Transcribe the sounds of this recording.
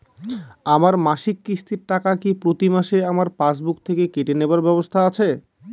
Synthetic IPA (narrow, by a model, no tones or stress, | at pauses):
amaɾmaʃikːɾist̪iɾʈakakipɾot̪imaʃeamaɾpasbuk̚t̪ʰekekeʈeneoaɾbɛbost̪ʰaat͡ɕʰe